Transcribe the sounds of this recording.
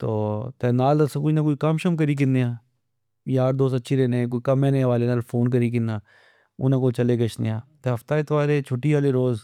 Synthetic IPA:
t̪oːt̪ɛːnaːlɐsãkʊinɐkoːikamʃɐmkɐɾiːk̬ɪnːeãː | jaːɾd̪oːst̪ɐtːʃʰiɾeːnẽkoːikɐmẽːneʋaːleːnaːlfʰoːnk̬ɐɾiːk̬ɪnːaː | ʊ̰nãkoːt͡ʃɐleːɡɐʃnḛaːt̪eɦɐft̪aːɪt̪ʰʋaːɾet͡ʃʰoːʈːiɦaːleɾoːz

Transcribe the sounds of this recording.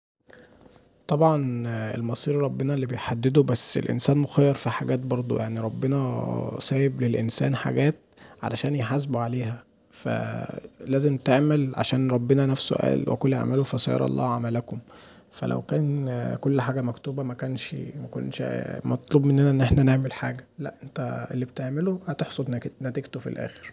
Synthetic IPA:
t̪ˤɑbʕɑnḛlmɑsˤiːɾɾˤɑbːenɑlːibejħad̪ːed̪obæsːḛlʔḛnsæːnmoxæjːɑɾˤfiħaɡæːt̪̚bɑɾˤd̪ˤo̰jaʕniɾˤɑbːenɑsæːjeblelʔensæ̰ːnħa̰ɡæːt̪̚ | ʕa̰læʃæːnjeħaz̬buʕaleːɦæ | fæ̰læːzemt̪eʕmælʕa̰ʃæːnɾˤɑbːenænæfsso̰ʔæ̰ːlwḛkolːḛaʕmælofæsɑ̰jɑ̰ɾˤɑ̰lˤːɑ̰ːʕamælækom | fæ̰lʔæ̰wkæːnkolːħaːɡæmækt̪uːbæmækænʃmæko̰nːʃmɑt̪ˤluːbmenːænæʔenːʔeħnæneʕmelħaːɡælæ̰ʔʔent̪æḛlːibet̪eʕmelohæt̪eħsˤod̪næt̪eɡt̪ofḭlʔæ̰ːxe̥ɾ

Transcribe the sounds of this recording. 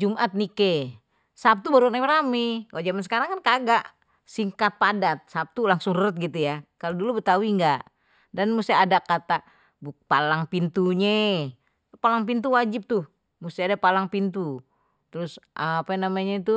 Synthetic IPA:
d͡ʒumʔat̪̚nike | sap̚t̪ubaɾuatamɾamiwaʔd͡ʒamansə̥kaɾaŋkankaɡaʔ | siŋkat̪̚padat̪̚sap̚t̪ulaŋsʊŋrəʊt̪̚ɡit̪ujakaludulubət̪auiŋɡaʔ | danmust̪iadakat̪a | bupalaŋpint̪uɲe | palaŋp̬int̪̬uwad͡ʒɪp̚t̪ʊ | must̪iadapalaŋpint̪u | t̪ɾʊsʔapanamaɲait̪u

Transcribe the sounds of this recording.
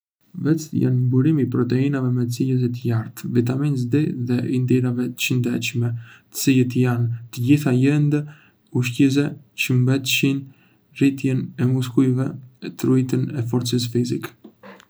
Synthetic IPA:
vɛt͡st̪əja̰nmbuɾimipɾɔt̪ɛinavɛmɛt͡sijəs̬it̪əjaɾt̪vit̪aminzd̪iðɛʔind̪iɾavɛə̥t͡ʃənd̪ɛ̰t͡ʃmɛt̪ə̥t͡sijət̪əjant̪əɟiθajɛnd̪ə | uʃciz̬ɛ | t͡ʃəmbɛt̪ʃin | rit̪jɛnɛmuskujvɛt̪ɾujt̪ənɛfɔɾt͡səs̬fizik

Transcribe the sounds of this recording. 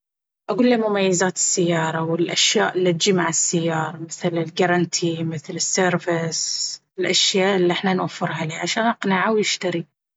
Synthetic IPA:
ʔaɡuːlːamʊmajːazaːt̪ɪ̥sːajːɑːɾˤɑwɪlʔaʃjaːʔɪlːit̪d͡ʒimaʕasːajːɑːɾˤɑmɪθlɪlɡɑɾˤɑnt̪ʰimɪθlɪsːeːɾvɪsɪlʔaʃjaːʔɪlːiʔɪħnanwafːɪɾɦaliːʕaʃaːnʔɑqnaʕawjɪʃt̪aɾi

